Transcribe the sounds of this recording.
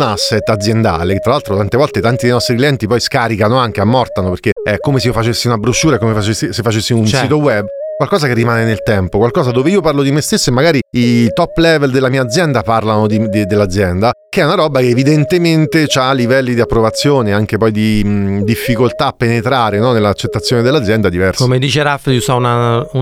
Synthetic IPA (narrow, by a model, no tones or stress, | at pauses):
nasːet̪ad̪zjend̪a̰ːleket̪ːɾalalt̪ɾot̪ant̪evɔlt̪et̪ant̪id̪ejnɔst̪ɾikliɛnt̪ipɔjskaːɾikanoaŋk̟eamːɔrt̪anoperk̟eɛkːomeseofat͡ʃesːiunabɾoʃːuːɾaekːomefat͡ʃesːisefːat͡ʃesːiunsiːt̪owɛbːkwalkɔːzakerːimaːnenelt̪ɛmpokwalkɔːzad̪oːveiːoparlod̪imest̪esːoemːaɡaːɾiit̪ɔpːlɛveld̪elːamiːaːd̪zjɛnd̪aparlanod̪id̪d̪elːad̪zjɛnd̪akeɛunaɾɔbakeːvid̪ent̪ement̪et͡ʃaːlːivɛlːid̪iapːɾovat̪sːjoːneaŋkepɔjd̪id̪ifːikolt̪aːpːenet̪ɾaːɾenɔnelːat͡ʃːet̪ːat̪sjoːned̪elːad̪zjɛnd̪ad̪ivɛrsomed̪iːt͡ʃeɾafliusaunau